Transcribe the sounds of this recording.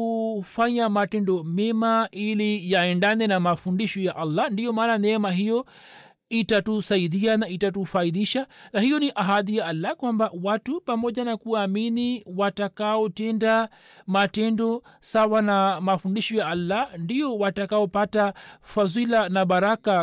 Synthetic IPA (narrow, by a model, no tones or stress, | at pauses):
ufaɲamatɛndɔmɛmaʔilijaɛndanɛnamafundiʃɔjaʔalːandijɔmaːnanɛmaɦijɔ | itatusaiðianaitatufaiðiʃanahijɔniʔaɦaðijaalːakwambawatupamɔʄanakuaminiwatakaɔtɛnda | matɛndɔ | sawanamafundiʃɔjaʔalːandijɔwatakaɔpatafazilanaɓaɾaka